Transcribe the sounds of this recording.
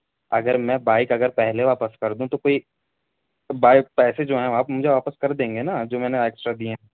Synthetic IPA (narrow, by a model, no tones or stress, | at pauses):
ɐɡəɾmɛ̃baːɪkɐɡəɾpɛɦleʋaːpəskɐɾd̪ũt̪okoːi | baːɪk̚pɛːsed͡ʒoːɦɛ̃ʋaːpmʊd͡ʒʱeʋaːpəskɐɾd̪ẽːŋɡenad͡ʒoːmɛ̃ːneeːksʈɾad̪ieɦɛ̃ː